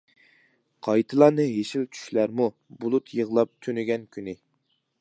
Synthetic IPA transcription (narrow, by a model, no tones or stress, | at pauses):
qʰɑjt̪ʰɨlˠɑːnɨɦeʃilt͡ʃʰy̥ʃlæɾmu | bulˠut̪ʰjəʁlˠɑp̚t̪ʰønyɡʲɛnkʲʰynɪ